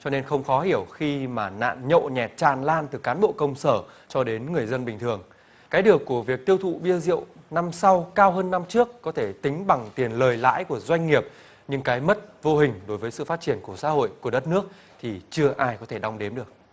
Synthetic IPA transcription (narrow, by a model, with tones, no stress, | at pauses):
t͡ɕɔ˧ne˧nxə˧wŋ͡mxɔ˨˦hi˧˩əwxi˧maː˨˩na̰ː˧˨nɲə̰˧˨ɲɛ˨˩t̚t͡ɕaː˧˩nlaː˧nt̪ɨ˨˩kaː˨˦nɓo̰˧˨kə˧wŋ͡msəː˧˩ | t͡ɕɔ˧ɗe˨˦nŋɨ˨˩əjzə˧nɓï˨˩ŋ̟t̪ʰɨ˨˩əŋ | kaː˨˦jɗɨ˨˩əkːu˧˩əvi˨˩ək̚t̪i˧əwt̪ʰṵ˧˨ɓi˧əzḭ˧˨əwna˧msa˧wkaː˧wɦəː˧nːa˧mt͡ɕɨ˦˥əkːɔ˨˦t̪ʰe˧˩t̪ï˨˦ŋ̟ɓa˨˩ŋt̪i˨˩ənləː˨˩jla̰ː˧˥jku˧˩əzwa˧jŋ̟ŋi˨˩əp̚ | ɲɨ˧ŋkaː˨˦jmə˦˥t̚vo˧hï˨˩ŋ̟ɗo˨˦jvəː˨˦jsɨ̰˧˨faː˦˥t̚t͡ɕi˧˩ənku˧˩əsa̰ː˧˥ho̰˧˨jku˧˩əɗə˦˥t̚nɨ˦˥ək̚ | t̪ʰi˨˩t͡ɕɨ˧əʔaː˧jkɔ˨˦t̪ʰe˧˩ɗa˧wŋ͡mɗe˨˦mɗɨ˨˩ək̚